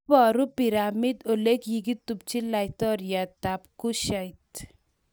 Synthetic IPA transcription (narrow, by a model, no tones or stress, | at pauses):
bɔɾupiɾamid̪olekjiɡit̪ːupt͡ɕilajt̪ɔɾjat̪apkuɕajt̪